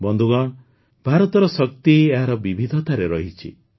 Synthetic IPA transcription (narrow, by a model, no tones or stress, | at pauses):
bɔnd̪ʱuɡɔɳ̃ | bʱaɾɔt̪ɔɾɔsɔk̚t̪ieɦaɾɔbibʱid̪ʱɔt̪aɾeɾɔɦit͡ʃʰḭ